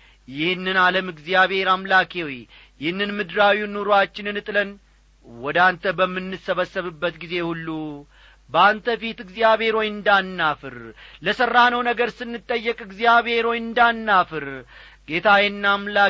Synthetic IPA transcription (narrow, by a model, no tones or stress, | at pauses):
jɪhnːɨnaləmɨɡzijaβhe̞ɾamlakʰewj | jɪhɨnːɨnmɨd̪ɾawiunːoɾoat͡ʃːɪnɨnɨt̪ʼɨlən | wɔd̪ant̪ʰəbəmːɨnːɨsːəβəsːəβɨbːət̪ɡize̞hulːu | bəant̪ʰəfit̪ɨɡzijaβe̞ɾo̞jɨnd̪anːafɨɾləsərːanəwnəɡəɾsɨnːɨt̪ʼːəjːəkʼɨɡzijaβe̞ɾo̞jɨnd̪anːafɨɾ | ɡe̞t̪ʰajɛnːamla